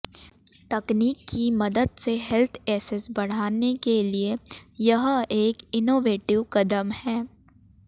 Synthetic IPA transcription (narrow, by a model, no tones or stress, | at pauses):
t̪ɐkniːkːimɐd̪əd̪seɦɛlt̪ʰɛːsɪsbɐɽ̤aːnekeliejɐɦeːkɪnoːʋeːʈɪʋkɐd̪əmhɛː